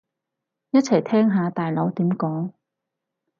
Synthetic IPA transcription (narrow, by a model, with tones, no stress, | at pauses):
jɐ˥t̚t͡sʰɐ˨˩jt̪ʰɛː˥ŋɦaː˨˧t̪aː˨jlo˨˥wt̪iː˨˥mkɔː˨˥ŋ